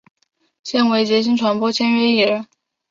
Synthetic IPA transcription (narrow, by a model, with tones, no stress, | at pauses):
ɕjɛ˥˩nwe˧˥ɪt͡ɕjɛ˧˥t͡ɕ̬ʰi˥ŋʈ͡ʂʰwa˧˥npwɔ˥t͡ɕʰjɛ˥nɥɛ˧˥i˨˩ɻə˧˥